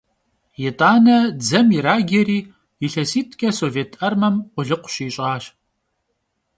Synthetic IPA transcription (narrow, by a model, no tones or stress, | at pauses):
jɛtʼaːnɐd͡zɐmjɪɾaːɡʲɐɾiː | jɪɬɐsiːtʰkʰʼɐsoːveːtʰɐrmɐmqʷʊɮɨqʷʊ̥ɕiːɕʼaːɕ